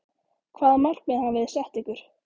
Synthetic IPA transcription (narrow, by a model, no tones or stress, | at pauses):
kʰvaːðmal̥kmɛðhanːvɪðsɛht̪ikʏɾ̥